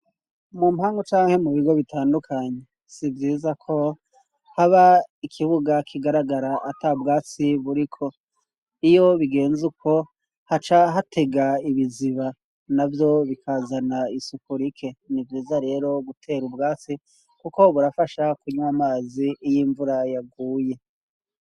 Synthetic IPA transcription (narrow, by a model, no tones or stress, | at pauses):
mumhaːŋɡot͡ʃaːŋhe̞muβiɡo̞βitʰaːndukʰaɲe̞ | sivjiːzakʰo̞ | haβaikʰiβuɡakʰiɡaɾaɡaɾaʔatabɡaːt͡siβuɾikʰo̞ | ijo̞βiɡe̞ːnzukʰo̞ | hat͡ʃaɦatʰe̞ɡaiβiziβa | navjo̞βikʰazanaisukuɾikʰe̞nivjiːzaɾe̞ːɾo̞ɡutʰe̞ːɾubɡaːt͡si | kuko̞βuɾafaʃakuɲumamaːzijiːɱvuɾajaɡuːje̞